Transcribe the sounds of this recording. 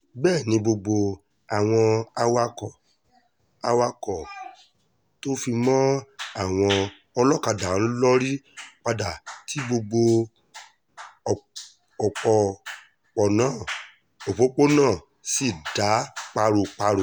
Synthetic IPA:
bɛː˦˨nĩ˧bo˧ɡ͡bo˧ | a˨w̃ɔ̃˧a˧wa˧kɔ˨ | a˧wa˧kɔ˨ | to˦fi˧mɔ̃˦a˦˨w̃ɔ̃˧ | ɔ˧lɔ˦ka˧da˨˦lɔ˦ɾi˦k͡pa˧da˨tʰi˨˦bo˧ɡ͡bo˧˨ | ɔ˨k͡pɔ˨ | k͡pɔ˨nãː˦˨ | o˨fo˨˦k͡po˦nãː˦˨ | si˦˨da˨˦k͡pa˧ɾo˧˨k͡pa˧ɾo˨

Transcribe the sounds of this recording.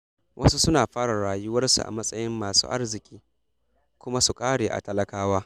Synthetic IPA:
wʔɐ˦su˦sʊ˦naː˨ɸaː˦ɽa˨ɽaː˨jʊ˦wɐ˦rsṵ˨ʔa̰˨mɐ˦sʼɐ˦jɪ˦mːaː˨sṵː˦ʔa̰˦rzɪ˨kʲʼiː˦ | kʷʊ˦ma˦su˨kʼaː˦ɽeː˨ʔa̰˨tɐ˦lɐ˦kaː˦waː˦

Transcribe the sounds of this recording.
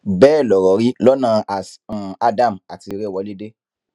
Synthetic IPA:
bɛː˦˨lɔ˨ɾɔ˨˦ɾi˦lɔ˦nã˧ʔa˨sa˧da˦˨ma˨ti˧ɾe˦˨wɔ˧˦le˦de˦

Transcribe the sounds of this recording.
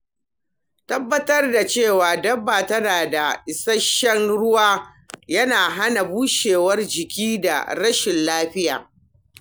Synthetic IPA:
tɐ˦bːɐ˦tɐ˦rda˨t͡ʃeː˦˨waː˨dɐ˦bːaː˨tɐ˦naː˨da˨ʔɪ˨sɐ˦ʃːɛ˦ŋɽʊ˦waː˦ | jɐ˦naː˨ɦa˦na˨buː˦ʃeː˨wɐ˦rd͡ʒɪ˨kʲiː˦da̰˨ɽɐ˦ʃɪ˨nlaː˦ɸɪ˦ja̰ː˨

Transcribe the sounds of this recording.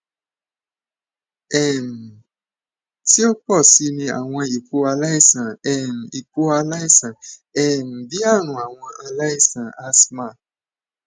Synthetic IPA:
ɛ˨m̩˨ | ti˦o˦k͡pɔ˦˨si˧nĩ˧a̰˨w̃ɔ̃˧i˨ku˧˦a˧la˦i˦˨sã˨ɛ˨m̩˨i˨k͡pu˦a˧la˦i˦˨sã˨ɛ˨m̩˨bi˦a˦˨ñũ˨a˨w̃ɔ̃˧ʔa˧la˦i˦˨sã˨a˦smã˦˨

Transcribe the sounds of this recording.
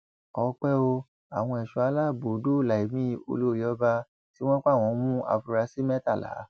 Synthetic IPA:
ɔ˧k͡pɛ˦o˧ | a˨w̃ɔ̃˧ɛ˨ʃu˨˦a˨˧˦la˦˨bo˨˦do˦˨la˨i˨mĩ˦˧o̰˧lo˦˨ji˦ɔ˧˦ba˧ | ti˨˦w̃ɔ̃˦k͡pa˦˨w̃ɔ̃˧˦mũ˦ʔa̰˧fu˧ɾa˧si˦mɛ˦ta˦˨la̰˨˦

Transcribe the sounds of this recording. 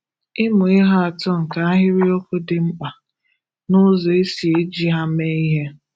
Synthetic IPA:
ɪ˦mʊ˨ɪ˦ɦa˦a˨tʊ˦ŋ̩˨ka˨a˦ɦɪ˦ɾi˦o˦kʊ˦dɪ˨ŋ͡m̩˦k͡pa˨ | nʊ˦zo˨e˦si˨e˦d͡ʒi˦ɦa˦me˦i˦ɦe˦

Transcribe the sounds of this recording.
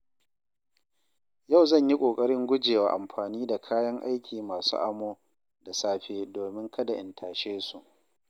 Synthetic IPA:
ja˦˨wzɐ˦˨ɲji˦kʷʼoː˨kʼɐ˦ɽɪ˦ŋɡʷʊ˦d͡ʒeː˨wa̰ː˨ʔa̰˨mɸaː˨niː˦da˨kʰaː˦jɐ˦ŋʔa̰˦jkʲʰiː˨maː˨sṵ˦ʔa̰˨moː˦ | da˨saː˦ɸeː˦doː˨mɪ˦ŋkʰɐ˦da˨ʔɪ˨ntʰaː˨ʃeː˦su˨ʔ

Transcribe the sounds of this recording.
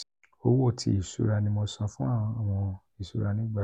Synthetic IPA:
o˦wo˦˨tʰḭ˨˦i˨sṵ˨˦ɾa˧nĩ˧mo˧sã˧fũ˦a˦˨˧a˨w̃ɔ̃˧ | i˨su˦ɾa˧nĩ˦ɡ͡ba˦˨

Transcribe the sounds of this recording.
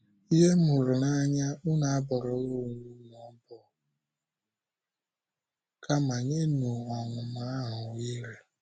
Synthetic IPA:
i˦ɦe˦mu˨ɾu˨na˦ɲa˦ʊ˦na˨a˦bɔ˨ɾɔ˨˦wo˦˨ŋu˦n˨ɔ˨˦bɔ˨ | ka˦ma˨ɲe˦nu˨ɔ˨ŋʊ˨ma˨˦a˦ɦʊ˨i˦ɾi˨

